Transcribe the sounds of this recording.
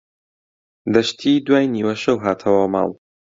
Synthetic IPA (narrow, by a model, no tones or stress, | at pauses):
d̪ɐʃt̪ʰid̪waːjniːwɐʃɐwɦaːt̪ʰɐwɐmɑ̰ːlˠ